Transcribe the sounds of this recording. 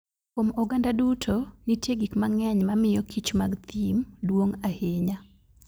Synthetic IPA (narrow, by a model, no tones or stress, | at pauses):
komɔɡandadutʰonitjeɡikmaŋɛɲmamɪjɔkʰit͡ʃmaɡt̪imdwoŋaheɲa